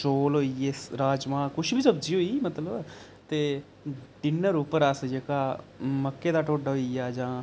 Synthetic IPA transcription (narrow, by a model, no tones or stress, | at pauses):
soːlɦoːiːeːɾaːd͡ʒmãːkʊʃbiːsəbd͡ʒiːɦoːiːmət̪ləb | t̪eː | ɖɪnəɾupəɾəsd͡ʒəkaː | məkːeːd̪aːʈoːɖːɦoiːaːd͡ʒãː